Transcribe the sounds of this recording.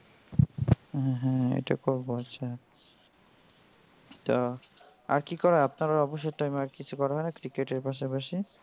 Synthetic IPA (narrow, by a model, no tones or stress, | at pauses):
ɦɛ̃ɦɛ̃ḛjʈakoɹboatːʃʰa | t̪ɔ | a̰ɾkikɔɾapnaɾɔbɔʃ̬jeʈajmeaɾkit͡ɕʰukɔɾaɦɔjnakɾikeʈeɾpaʃ̬apaʃi